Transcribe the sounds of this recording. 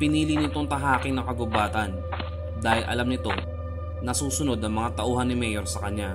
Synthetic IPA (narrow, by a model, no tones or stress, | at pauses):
pɪniːlɪnɪt̪o̞ŋt̪ɐɦaːkɪŋnɐkɐɡʊbaːt̪ɐn | d̪aːhɪlʔɐ̰lamnɪt̪o̞ | nɐsuːsʊno̞d̪̚nɐŋmɐŋat̪ɐʔuːɦɐnːɪmɛjoɾsɐkɐɲa